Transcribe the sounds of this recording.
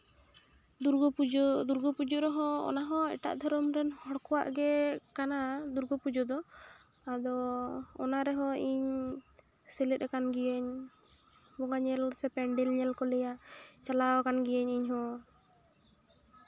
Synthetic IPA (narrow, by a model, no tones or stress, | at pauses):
uɾɡɔpud̪uɾɡɔpud͡ʒɔɾɛɦɔ̃ɔ̰naɦɔ̃ɛ̰ʈa̰ʔd̪ʱɔɾɔmɾɛnhɔɽkɔwa̰ʔɡɛkanad̪uɾɡɔpud͡ʒɔd̪ɔ | ad̪ɔ̰ː | naɾɛɦɔ̃iɲ | sɛlɛt̪̚ɾɛkanɡijəɲ | bɔŋaɲɛlsɛpɛɳɖɛlɲɛlkɔlɛjaʔt͡ʃalawkanɡijəɲiɲɦɔ̃